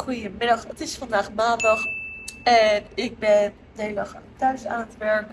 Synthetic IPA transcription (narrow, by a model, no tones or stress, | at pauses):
χujəmɪɾɔχətɪsfandaːχmaːndɑχɛnɪk̚bɛn | deɪləχtœɥsa̰ːnətbɛɹk